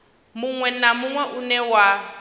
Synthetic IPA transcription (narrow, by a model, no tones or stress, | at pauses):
mʊŋwɛnamʊŋwɛʔunɛwa